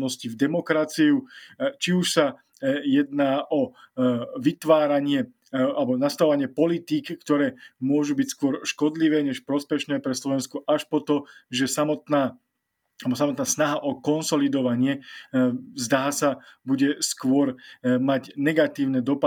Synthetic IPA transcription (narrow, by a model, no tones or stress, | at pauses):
nɔscivd̪ɛmɔkɾat͡siut͡ʃiuʃsa | jɛd̪naːʔɔ | ʋit̪ʋaːɾaɲɪɛ | albɔnast̪aɔʋaɲɪɛpɔlit̪iːkːt̪ɔɾɛːmʊɔʒubicskʊɔɾʃkɔd̪liʋɛːɲɛʃpɾɔspɛʃnɛːpɾɛslɔʋɛnskɔʔaʃpɔt̪ɔʒɛsamɔt̪naː | albɔsamɔt̪naːsnaɦaʔɔkɔnsɔlid̪ɔʋaɲɪɛ | zd̪aːsabuɟɛskʊɔɾmaɟnɛɡat̪iːʊnɛd̪ɔpa